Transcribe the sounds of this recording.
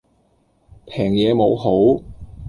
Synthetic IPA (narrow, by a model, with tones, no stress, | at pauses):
pʰɛː˨˩ŋjɛː˨˧mo˨˧wɦo˨˥w